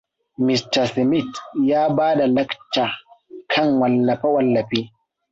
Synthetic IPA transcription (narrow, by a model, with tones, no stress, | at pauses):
mɪ˨stɐ˨smɪ˦˨tjaː˦baː˦da˨lɐ˦ktaː˨kʰɐ˦˨ŋwɐ˨lːɐ˨ɸa˦wɐ˨lːɐ˨ɸeː˦